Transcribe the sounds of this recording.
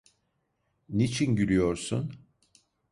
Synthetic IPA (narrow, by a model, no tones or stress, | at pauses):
nit͡ʃʰinɟyɾʲyjo̞ɾsun